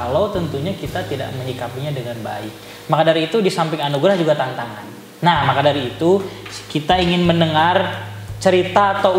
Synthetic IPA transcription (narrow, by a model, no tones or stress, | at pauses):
alot̪ənt̪uɲakit̪at̪ida̰ʔməɲikapiɲadəŋanba̰ɪk̚ | makadaɾiːt̪udisampɪŋanuɡɾahd͡ʒuɡat̪ant̪aŋanː | ahmakadaɾiːt̪ukit̪aiŋɪnmənəŋart͡ʃəɾit̪aːt̪a